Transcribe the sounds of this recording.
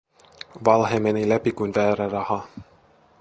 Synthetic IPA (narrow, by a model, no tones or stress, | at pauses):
ʋɑlɦemenilæpikujnʋæːɾærɑhɑ